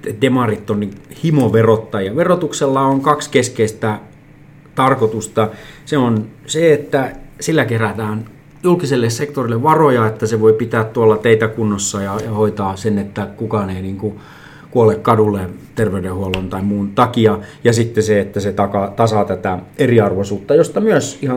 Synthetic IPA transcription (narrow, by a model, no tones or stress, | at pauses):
edemɑrit̪ːonnihimoʋerot̪ːɑjɑʋerot̪ukselːɑoŋkɑkskeskeist̪æ | t̪ɑrkot̪ust̪ɑseonseet̪ːæsilːækeræt̪æːn | julkiselːessekt̪orilːeʋʋɑrojɑet̪ːæseʋoipit̪æːt̪t̪uɑlːɑt̪eit̪ækunːosːɑjɑjɑhoit̪ɑːsenːet̪ːækukɑneiniːŋku | kuolekkɑdulːet̪erʋeydehuolont̪ɑimmuːnt̪ɑkiɑjɑsit̪ːeseet̪ːæset̪ɑkɑt̪ɑsɑt̪æt̪æeriɑrʋosuːt̪ːɑjost̪ɑmyøsihɑ